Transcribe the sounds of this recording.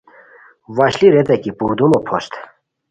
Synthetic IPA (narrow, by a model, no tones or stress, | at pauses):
vaɕliɾɛd͡z̪ɛkipuɾd̪umɔpʰɔst̪ʰ